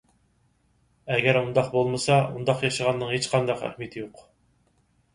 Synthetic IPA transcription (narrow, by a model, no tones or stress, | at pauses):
ɛɡʲæɾund̪ɑqbolˠmɨsɑund̪ɑqjɑʃəʁɑnːɨŋhet͡ʃqʰɑnd̪ɑqæ̰hmit̪ʰɪjoq